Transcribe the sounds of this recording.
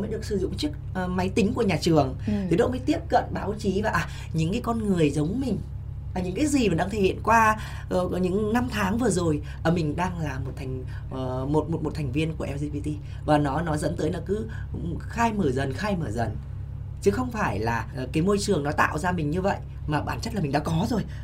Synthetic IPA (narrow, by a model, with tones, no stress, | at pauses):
ə˨˦jɗɨ˨˩ək̚sɨ˧˩zʊ̰˧˨ŋ͡mt͡ɕɨ˦˥ək̚ːma˨˦jt̪ï˨˦ŋ̟ku˧˩əɲaː˨˩t͡ɕɨ˨˩əŋt̪ʰi˨˩ɗo̰˧˥˦məː˨˦jt̪i˦˥əp̚kə̰˧˨nɓaː˨˦wt͡ɕi˨˦vaː˨˩ʔaː˨˩ | ɲɨ̰˧˥ŋkaː˨˦jkɔ˧nŋɨ˨˩əjzə˨˦wŋ͡mmï˨˩ŋ̟ | aː˨˩ɲɨ˧˥ŋkaː˨˦jzi˨˩maː˨˩ɗaː˧ŋt̪ʰe˧˩hḭ˧˨ə˨nkwaː˧˨˧ | ɲɨ̰˧˥ŋna˧mt̪ʰaː˨˦ŋvɨ˨˩əzo˨˩j | ʔəː˧˩mï˨˩ŋ̟ɗaː˧ŋlaː˨˩mo˨˩t̚t̪ʰɛ˨˩jŋ̟ː˨˩ | mo˨˩t̚mo˨˩t̚mo˨˩t̪ʰɛ˨˩jŋ̟vi˧ənku˧˩əʔɛ˧wzi˧vi˧t̪i˧ | vaː˨˩nɔ˨˦nɔ˨˦zə̰˧˥nt̪əː˨˦jlaː˨˩kɨ˨˦ | xaː˧jməː˧˩zə˨˩nxaː˧jməː˧˩zə˨˩n | t͡ɕɨ˨˦xə˧wŋ͡mfaː˧˩jlaː˨˩kaː˨˦jmo˧jt͡ɕɨ˨˩əŋnɔ˨˦t̪a̰ː˧˨wzaː˧mï˨˩ɲɨ˧və̰˧˨jʔ | maː˨˩ɓaː˨˩nt͡ɕə˦˥t̚la˨˩mi˨˩ŋ̟ɗa̰ː˧˥kɔ˨˦zo˨˩j